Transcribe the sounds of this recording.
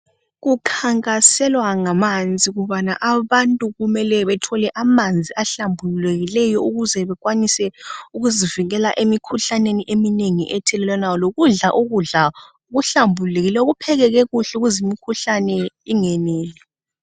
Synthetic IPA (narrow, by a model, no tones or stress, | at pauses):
ɣukʰaŋkʼasɛlwaŋamand͡zʱiɣuβanaʔaβantʼuɣumɛlɛβɛtʰɔlɛʔamand͡zʱiʔaɬambʱululeɣilɛjɔuɣuzɛβɛɣwanisɛuɣuziviŋɛlaʔemikʰuɬaneniʔemineŋḭʔɛtʰɛlɛlɛnawɔloɣuɮaʔuɣuɮa | uɣuɬambʱululeɣilɛuɣupʰɛɣɛɣɛɣuɬɛuɣuzimikʰuɬanɛ | iŋɛnɛːlɛ